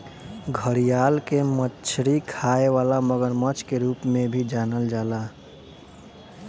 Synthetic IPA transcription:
ɡʱəɾijaːlkemət͡ʃʰɾikʰaːeʋaːlaməɡəɾmət͡ʃkeɾuːpmẽbʱid͡ʒaːnəld͡ʒaːlaː

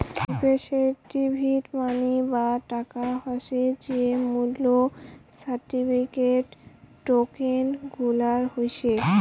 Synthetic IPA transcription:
peʃeʈibʱiʈmanibaʈakaɦɔʃed͡ʑiemulːosaɾʈipʰikeʈː | okenɡʱulaɾhojt͡ɕʰe

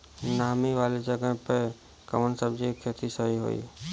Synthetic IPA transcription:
naːmiʋaːled͡ʒəɡəɦpə | kə̰mənsəbd͡ʒiekʰːət̪isəɦiɦo̰ːḭː

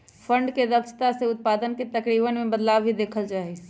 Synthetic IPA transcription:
pʰə̃ɳɖkeɾəbt͡ʃt̪aseʊt̪̚paːd̪ənket̪ɐkɾiːbənmẽbəd̪laːʋbʱid̪eːkʰəld͡ʒaːɦie

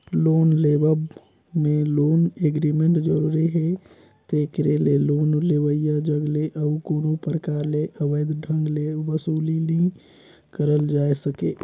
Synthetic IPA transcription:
loːnlebə | meloːneɡɾimeɳʈd͡ʒəɾuɾiɦɛ | t̪ekɾelelonleʋəjad͡ʒəɡleʔəukoːnopəɾəkaɾleʔəʋəjd̪ɖʱə̃ŋɡlebəsuːliliŋɡ | kəɾəld͡ʒaesəke

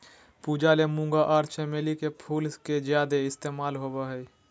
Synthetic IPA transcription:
puːd͡ʒalemũːŋɡaʔaːɾt͡ʃeːmeːlikepʰuːlsked͡ʒjaːd̪eɪst̪eːmaːlɦobeɦɛ

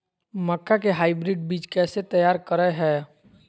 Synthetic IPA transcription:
məkːakeɦaːɪbɾɪɖ̚biːt͡ʃkɛːset̪əjaːɾkəɾəɦɛː

